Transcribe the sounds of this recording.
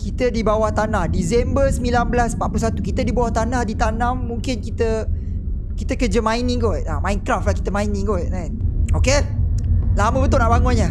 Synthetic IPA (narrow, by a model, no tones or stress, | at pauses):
kit̪ədibawaht̪anahdis̬ɛmbəsmĩlanbəlaspat̪̚plus̬at̪ukit̪ədibawaht̪anahdit̪anãmːũŋkɪnkit̪ə | kit̪əkəd͡ʒəmãinĩɡɔʔamãjnkɾaflahkit̪əmãinĩɡɔʔnajt̪̚oke | lamə̃bət̪ʊʔnaʔbaŋʊnɲə